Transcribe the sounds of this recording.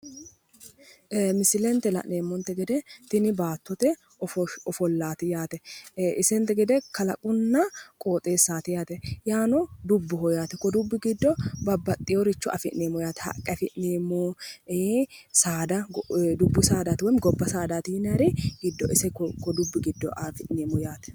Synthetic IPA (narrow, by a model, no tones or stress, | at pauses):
mɪsɪlɛnt̪ɛlɐ̰ʔneːmːɔnt̪ɛɡɛd̪ɛt̪ɪnɪbaːt̪ːɔt̪ɛ | ɔfɔɔfɔlːaːt̪ɪjaːt̪ɛɪsɛnt̪ɛɡɛd̪ɛkɐlɐkʼʊnːɐkʼo̞ːt̪ʼeːsːaːt̪ɪjaːt̪ɛjaːnɔd̪ʊbːɔhɔjaːt̪ɛkɔd̪ʊbːɪɡɪd̪ːɔbɐbːɐt̪ʼːɪjɔɾɪt͡ʃːɔʔɐ̰fɪʔneːmːɔjaːt̪ɛ̥hɐ̰kʼːɐfɪʔneːmːɔ | saːd̪ɐd̪ʊbːʊsaːd̪aːt̪ɪwɔmɡɔbːɐsaːd̪aːt̪inɐɾɪɡɪd̪ːɔʔɪsɛkɔd̪ʊbːɪɡɪd̪ːɔʔaːfɪʔneːmːɔjaːt̪ɛ̥